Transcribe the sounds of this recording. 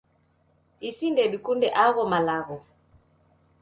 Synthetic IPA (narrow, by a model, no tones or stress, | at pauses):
isindɛɗikundɛʔaɣɔmalaɣɔ